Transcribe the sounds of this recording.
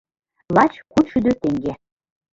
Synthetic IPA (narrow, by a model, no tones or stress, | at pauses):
lɑt͡ɕkut̪ʃyd̪øt̪eŋɡe